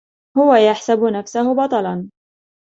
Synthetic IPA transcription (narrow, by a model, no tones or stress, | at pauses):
hʊwajaħsabʊnafsahʊbɑt̪ˤɑlɑn